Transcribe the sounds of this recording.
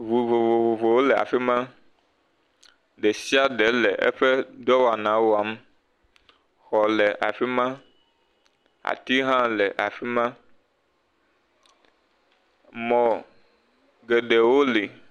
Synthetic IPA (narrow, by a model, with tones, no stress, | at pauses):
vu˨vo˨vo˨vo˨vo˨wo˦lɛ˨a̰˨fi˦mã˦ | ɖɛ˨si˦a˦ɖɛ˨˦lɛ˨ʔɛ̰˦ɸɛ˦d̪ɔ˦wa˨nã˨˦wo˦a˨˦m˦ | xɔ˨lɛ˨ʔa̰˨fi˦mã˦ | a̰˨t̪i˦ɦã˦lɛ˨ʔa̰˨fi˦mã˦ | mɔ̃˨ | ɡɛ˨ɖɛ˨wo˦li˨